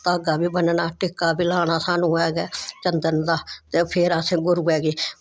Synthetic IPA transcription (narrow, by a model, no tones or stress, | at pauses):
t̪aːɡaːbiːbənnaːʈɪkːaːbiːlaːɽ̃aːsaːnũːɛːɡɛːt͡ʃənd̪ənd̪aːt̪eːpʰeːɾaːsẽːɡʊɾuːɛːɡeː